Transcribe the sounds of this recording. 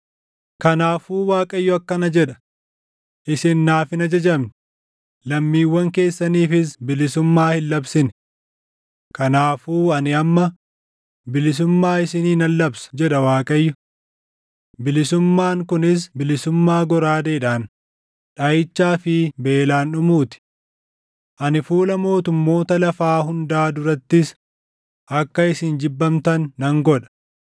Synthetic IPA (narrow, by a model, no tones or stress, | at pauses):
kɐnaːfuːwaːkʼɐjːʊɐkːɐnɐd͡ʒɛᶑɐ̥ | ʔɪsɪnːaːfɪnɐd͡ʒɐd͡ʒɐmnɪ | lɐmːiːwːɐŋke̞ːsːɐniːfɪs̬bɪlɪsʊmːaːhɪlːɐbsɪn | kɐnaːfuːɐnɪɐmːɐ | bɪlɪs̬ʊmːaːɪsɪniːnɐlːɐbsɐ̥d͡ʒɛᶑɐwaːkʼɐjːʊ | bɪlɪsʊmːaːŋkʊnɪs̬bɪlɪsʊmːaːɡɔɾaːd̪eːᶑaːn | ᶑajɪt͡ʃːaːfɪbe̞ːlaːnᶑʊmuːt̪ɪ̥ | ʔɐnɪfuːlɐmo̞ːt̪ʊmːo̞ːt̪ɐlɐfaːɦʊnd̪aːd̪ʊɾɐt̪ːɪs | ʔɐkːɐɪsɪnd͡ʒɪbːɐmt̪ɐnːɐŋɡɔᶑɐ̥